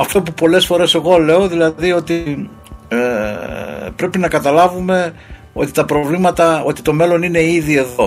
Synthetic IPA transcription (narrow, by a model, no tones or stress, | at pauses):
ɐft̪o̞pupo̞le̞sfo̞ɾe̞se̞ɣo̞le̞o̞ðilɐðio̞t̪i | pɾe̞pinɐkɐt̪ɐlɐvume̞ | o̞̰t̪i̥t̪ɐpɾo̞vlimɐt̪ɐo̞t̪it̪o̞me̞lo̞nine̞iðie̞ðo̞